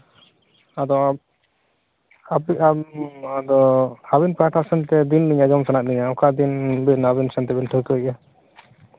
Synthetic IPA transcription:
ad̪ɔ | abiaad̪ɔabinpɾaʈʰasɛnt̪ɛd̪inliɲad͡ʒɔmsanaʔ̚niɲaɔkad̪inbinaβinsɛnt̪ɛbinʈʰɔkuʔa

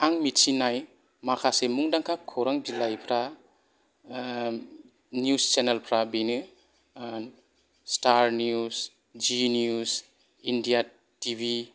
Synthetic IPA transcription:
aŋmit͡ʃinaj | makʰasemuŋdaŋkʰakʰoɾaŋbilajpʰɾa | njust͡ʃenelpʰɾabinɯ | staɾnius | d͡ʒinjus | indija | tibʱi

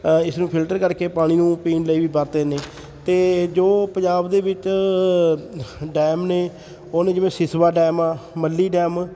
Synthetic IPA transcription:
ɪsnũːpʰɪlʈəɾkəɾkeːpaːɽ̃iːnũːpiːnləiːʋiːbəːt̪eːneː | t̪eːd͡ʒoːpə̃ɲd͡ʒaːbd̪eːbɪt͡ʃ | ɖɛːmneː | oːnẽːd͡ʒɪʋẽːsɪsbaːɖɛːmaːməlːiːɖɛːm

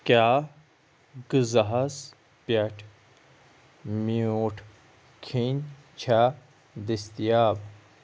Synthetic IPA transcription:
kjaː | ɡɨzɐɦɐs | pjɐʈʰ | mioːʈʰ | kʰin | t͡ɕʰa | d̪ist̪ijaːb

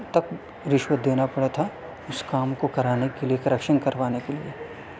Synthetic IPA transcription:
t̪ɐk | ɾɪʃwət̪̚d̪eːnapɐɽet̪ʰa | ʊskaːmkokɐɾaːnekeliekɾəkʃənkɐɾʋaːnekelieː

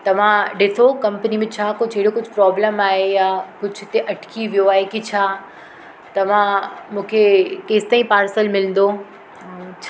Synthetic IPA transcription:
t̪ɐʋ̤ãɖɪsokɐ̃mpənimẽt͡ɕʰaːkod͡ʑɐɦɪɽokʊd͡ʑʱʊpɾɔːbləmaːɦejaːkʊd͡ʑʱʊt̪eʔɐʈʰkʰiʋijoaːɦekit͡ɕʰaː | t̪ɐʋ̤ãmũːkʰekeːst̪aːĩpaːɾsəlmɪlə̃n̆d̪o | t͡ɕʰ

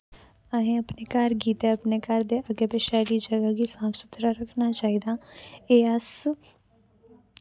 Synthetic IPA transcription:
əɦẽːəpneːkəɾɡiːt̪eəpneːkəɾd̪eːʔəɡeːbeʃɛːliːd͡ʒəɡaɡiːsãːksʊt̪ɾaːɾəkʰnaːt͡ʃaːiːd̪aːeːəs

